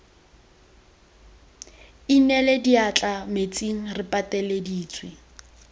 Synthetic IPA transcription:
inɛlediat͡ɬʼamet͡sʼiŋ̩rɪpʼatʼɛlediːt͡sʰʼwi

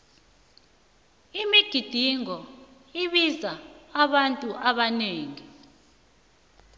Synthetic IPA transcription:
imiɡ̥ʱid̥ʱiŋɔ | iɓizaaɓantʼuʔaɓaneːŋi

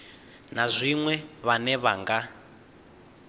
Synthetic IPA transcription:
nazʷiŋwɛβanɛβaŋɡa

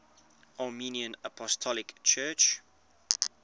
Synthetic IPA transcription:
ʔaːminiə̃nəpʰɔstʰɔlɪkt͡ʃʰɜːˑt͡ʃ

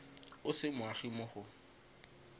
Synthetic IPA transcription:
ʊsɪmʊaχimʊχʊ

